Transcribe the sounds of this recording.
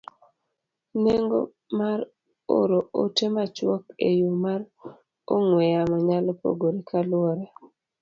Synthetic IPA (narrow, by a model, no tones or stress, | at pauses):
neŋɡo | maɾ | o̰ɾootemat͡ʃwɔkḛjumaɾ | oŋwɛjamaɲalɔpo̰ɡoɾikʰalwɔɾɛ